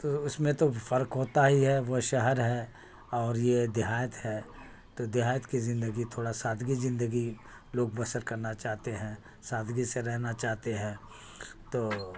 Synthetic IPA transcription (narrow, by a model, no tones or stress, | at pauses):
t̪oʊsmẽt̪ofʰɐɾkɦoːt̪aɦiɦɛʋoʃɐɦəɾɦɛ | ɔːɾjed̪ɪɦaːjət̪ɦɛː | t̪od̪ɪɦaːjət̪kizɪ̃nd̪əɡit̪ʰoːɽasaːd̪ʱɡizɪ̃nd̪əɡi | loːɡ̚bɐsəɾkɐɾnat͡ʃaːɦt̪eɦɛ̃ː | saːd̪ɡiseɾɛɦnat͡ʃaːɦt̪eɦɛ̃ː | t̪oː